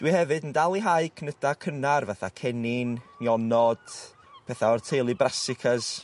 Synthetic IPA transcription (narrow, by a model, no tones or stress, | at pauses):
d̥wihɛvɨdəndalˠiɦaɨkʰnəd̥akʰənarvaθa̰kʰɛnɪnːjɔnɔd̥ | pʰɛθaɔrtʰejlˠɨbrasɪkʰəs